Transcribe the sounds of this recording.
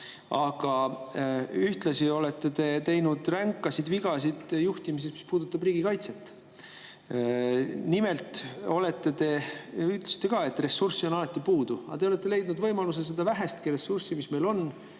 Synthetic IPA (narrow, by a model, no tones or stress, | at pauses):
ɑɡ̥ɑ | yht̪lɑsio̞let̪ːe̞t̪e̞t̪e̞jnud̪̥ræŋkːˑɑsid̪viɡ̥ɑs̬id̪juht̪imis̬esmi̥spuːd̪̥ut̪ːˑɑbriːɡ̥ikɑjt̪set̪ːˑ | nime̞lt̪ˑo̞le̞t̪ːe̞t̪e̞yt̪ˑlsi̥t̪ːeɡɑːe̞t̪ːre̞sːursːio̞nɑlɑt̪ːˑipuːd̪̥uɑ̰t̪e̞ole̞t̪ˑːe̞le̞jd̪nud̪vɤ̞jmɑlus̬esed̪ɑvæɦæst̪̚kiɾe̞sːursimisme̞jlo̞n